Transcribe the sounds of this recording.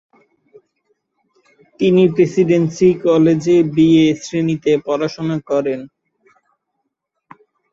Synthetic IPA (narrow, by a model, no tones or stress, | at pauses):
t̪inipɾesiɖensikɔled͡ʑebiesɾenit̪epɔɾaʃonakɔɾen